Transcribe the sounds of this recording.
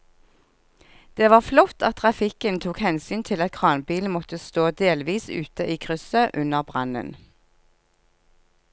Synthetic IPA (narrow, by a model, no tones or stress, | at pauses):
d̪̥eːʋɑːʁflɔt̪ɑt̪ʰʁɑfɪkənt̪ʰuːkhɛnsyːnt̪ʰɪlɑt̪̚kʰʁɑːnbiːlnmɔt̪əst̪oːd̪eːlʋiːsʉ̰ːt̪əʔiːkʰʁʏsəʔʉnəʁbʁɑ̰nə̰n